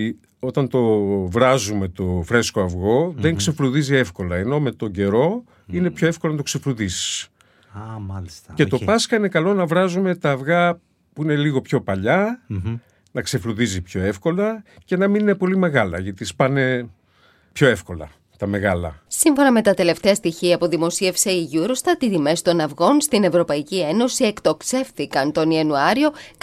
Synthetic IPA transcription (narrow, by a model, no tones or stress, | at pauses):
o̞t̪ɐnt̪o̞vɾɐzume̞t̪o̞fɾe̞sko̞ɐvɣo̞ðeŋkse̞fluðizie̞fko̞lɐeno̞me̞t̪o̞ɟe̞ɾo̞ | ine̞pço̞efko̞lonɐt̪oksefluðisi̥s | mɐlist̪ɐce̞t̪o̞pɐskɐine̞kɐlo̞nɐvɾɐzume̞t̪ɐːvɣɐ | puine̞liɣo̞pço̞pɐʎɐ | nɐkse̞fluðizipço̞e̞fko̞lɐce̞nɐminine̞po̞lime̞ɣɐlɐ̰ʝɐt̪ispɐne̞ | pço̞e̞fko̞lɐ̰ | t̪ɐme̞ɣɐlɐ̰siɱfo̞nɐme̞t̪ɐt̪e̞le̞ft̪e̞ɐst̪içiɐpoðimo̞sie̞fse̞iʝuɾost̪ɐt̪it̪ime̞st̪o̞nɐvɣo̞nst̪ine̞vɾo̞pɐicieno̞sie̞kt̪o̞kse̞fθikɐnt̪o̞niɐnuɐɾio̞k